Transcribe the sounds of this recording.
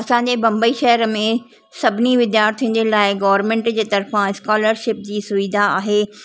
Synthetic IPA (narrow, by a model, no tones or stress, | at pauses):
ɐsãːɲ̆d͡ʑeːbɐ̃mbəiʃɐɦəɾəmẽ | sɐbʱɪniʋɪd̪jaːɾt̪ʰĩʊ̃n̆d͡ʑelaːɪɡɐʋəɾmẽːɳʈd͡ʑeːt̪ɐɾfãɪskaːləɾʃɪp̚d͡ʑiːsʊʋɪd̪ʱaaːɦeː